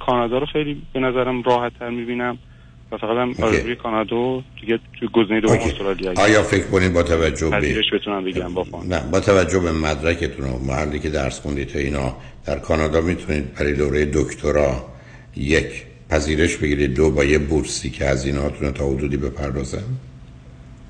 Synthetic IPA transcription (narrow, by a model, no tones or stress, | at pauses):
kʰɒːnɒːd̪ɒːɾoxejliːbenæzæɾæmɾɒːhæt̪ʰːæɾmibiːnæm | væfæɣæt̪æmoæojekʰɒːnɒd̪od̪̥iɟet̪ʰujeɡoziːnejed̪oosolɒliæɒːjɒːfe̞kʰkʰoniːd̪̚bɒːt̪ʰævæd͡ʒːoeɾeʃbet̪ʰunæmbeɡiɾæmbɒfnæbɒːt̪ʰævæd͡ʒːohbemæd̪ɾæcʰet̪ʰuno̰mæ̰hæɾd̪iːcʰe̞d̪æɾsxond̪it̪ʰeiːnɒː | d̪̥æɾkʰɒːnɒːd̪ɒːmit̪ʰuniːd̪̚bæɾɒjed̪oɾejed̪okʰt̪ʰoɾɒː | jecʰ | pʰæziːɾe̞ʃbe̞ɡiːɾid̪̚d̪obɒːjebuɾsiːcʰehæziːneɦɒːt̪ʰunot̪ʰɒːhod̪uːd̪iːbe̞pʰæɾd̪ɒːzæn